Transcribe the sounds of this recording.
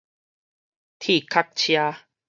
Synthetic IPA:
t̪ʰi˥˨kʰa˦k̚t͡ɕʰja˧

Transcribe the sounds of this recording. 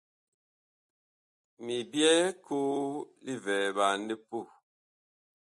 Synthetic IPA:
mi˨bjɛ˦kʰuː˦li˦vɛ˨ba˨n̩˦di˦pu˦˨

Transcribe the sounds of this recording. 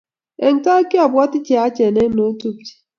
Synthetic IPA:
e˨ŋ̩˨ka˦ke˦a˨bwa˦tɪ˦t͡ʃe˨a˦t͡ʃe˨ne˦no˦tu˦˨p̚t͡ʃi̥˨

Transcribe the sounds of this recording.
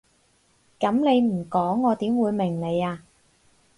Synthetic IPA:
kɐ˨˥mne˨˧jm̩˨˩kɔː˨˥ŋːɔː˨˧t̪iː˨˥mwuː˨˧jmɪ˨˩ŋne˨˧jaː˧

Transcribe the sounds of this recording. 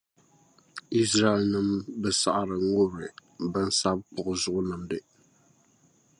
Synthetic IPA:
i˦s̬ɾa˦ɛ˦lnɨ˦mbɨ˦sa˨ʔa˨ɾɨ˨ŋʊ˦ɾɨ˨bɨ˦n˦sa˦b̚pʊ˨ʔʊ˨zʊ˦ʔʊ˦nɨ˨mdɨ˨

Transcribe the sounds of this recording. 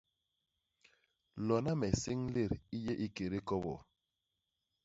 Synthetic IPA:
lɔ˨na˦mɛ˨si˦ŋle˦˨ɾi˦je˦ʔi˦ke˨ɾe˦kɔ˦bɔ̰˨

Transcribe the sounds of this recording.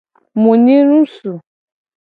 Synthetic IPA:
mũ˨nĩ˦ɾũ˦su˨

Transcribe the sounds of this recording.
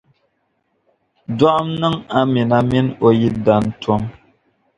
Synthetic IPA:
da˦ʔmnɨ˦ŋa˦mi˨na˦mi˦no˨ji˦da˨n˦tɔ˦m

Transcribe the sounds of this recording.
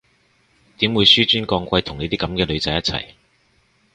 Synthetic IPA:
t̪iː˨˥mwuː˨˧jsyː˥t͡ʃyː˥nkɔː˧ŋkʷɐ˧jt̪ʰʊ˨˩ŋe˨˧t̪iː˥kɐ˨˧˥mkɛː˧lɵ˨˧ɥt͡sɐ˨˧jːɐ˥t̚t͡sʰɐ̰˨˩j

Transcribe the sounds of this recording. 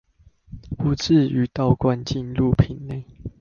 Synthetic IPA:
u˨˧˦t͡s̩˥˨y˨˦t̪ɑ˥˨ʊkwa˦nt͡ɕi˥˨nlu˥˨pʰi˨˩˦nne˥˨ɪ

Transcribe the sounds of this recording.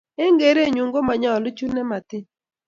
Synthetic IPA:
e˦ŋɡe˨ɾe˦˨ɲu˨ŋɡo˦ma˨ɲa˨ɔ˨lʊ˦t͡ʃu˦nɛ˦ma˨tɪ˦

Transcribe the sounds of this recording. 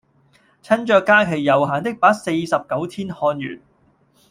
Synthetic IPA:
t͡sʰɐ˥nt͡ʃœː˧kːaː˥kʰe˨˩jːɐ˨˩wɦaː˨nt̪ɪ˥k̚paː˨˥k̚se˧jsɐ˨p̚kɐ˨˥wt̪ʰiː˥nhɔː˧njy̰ː˨˩n

